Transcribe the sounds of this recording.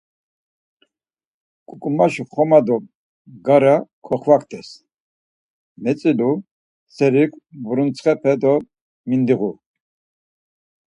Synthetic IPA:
kʼukʼumaʃuχɔmad̪ɔ | ɡaɾakʰɔχvakʰt̪ʰʼɛs | mɛt͡sʼilu | t͡sʰɛɾikʷʰvuɾunt͡sʰχɛpʰɛd̪ɔ | mind̪iʁu

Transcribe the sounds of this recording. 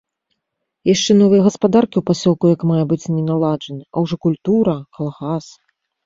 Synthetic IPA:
jaʂt͡ʂɛnɔvɨjɐɣɐspad̪arkʲiuwpasʲɔlˠkujɐkmajɐbɨt͡sʲnʲɛnalˠad͡ʐɐnɨʔɐwʐɔkulʲt̪uɾɐkɐlˠɣas

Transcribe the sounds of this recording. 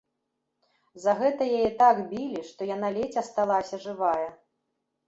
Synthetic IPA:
zɐɣɛt̪ɐjajɛt̪aɡbʲilʲiʂt̪ɔjanalʲet͡sʲɐst̪alˠasʲɐʐɨvajɛ

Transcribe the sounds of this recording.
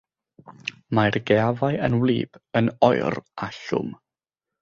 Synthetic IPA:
majrɡɛavajənwlˠḭːb̥ənɔɨraɬʊ̰m

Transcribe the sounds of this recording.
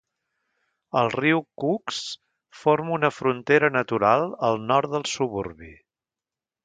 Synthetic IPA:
əlˠriwkuks | foɾmunəfɾunt̪eɾənət̪uɾalˠəlˠnɔɾt̪ðəlˠsuβuɾβḭ

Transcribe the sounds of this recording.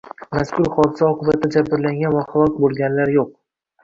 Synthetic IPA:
maskʲʊɾχɒd̪ɪzaɒqʰɨbat̪ʰɪd͡ʒabɪɾlaŋɡʲanvaχalˠɒkʲbolˠɡʲanlaɾjoq̚

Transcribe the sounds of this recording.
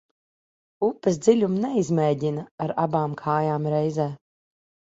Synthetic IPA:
upːɨs̬d̪zilʲumnɛizmɛːdʲinaaɾabaːmkʰaːjaːmɾɛjzɛː

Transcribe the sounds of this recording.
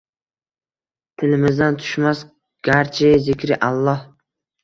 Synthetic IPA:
t̪ʰɪlɪmɪzd̪ant̪ʰʊ̥ʃmas | ɡ̥ʲaɾt͡ʃʰɪjzɪkʲɾɪʔalˠːɒh

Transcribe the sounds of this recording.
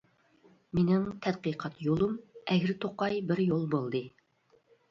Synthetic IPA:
menɪŋt̪ʰɛd̪̚qɨjqʰɑt̪jolˠumɛɡʲɪɾt̪ʰoqɑjbɪɾjolˠbolˠd̪ɨ

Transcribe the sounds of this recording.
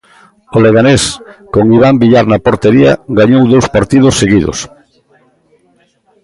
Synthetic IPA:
oleɣaneskoŋiβ̞ambiʎaɾnapoɾt̪eɾia̰ɡaɲowðowspaɾt̪iðosːeɣiðo̰s

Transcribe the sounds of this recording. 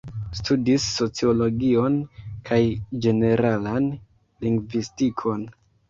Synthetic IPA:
studisːo̞t͡sio̞lo̞ɡio̞nkʰajd͡ʒe̞ne̞ɾalan | liŋɡvistikʰo̞n

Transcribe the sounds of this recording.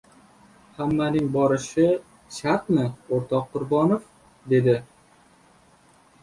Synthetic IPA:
hamːanɪŋbɒɾɪʃɪ | ʃat̪mɪoɾt̪ʰɒqːʊɾbɒnof | d̪e̞d̪ɪ

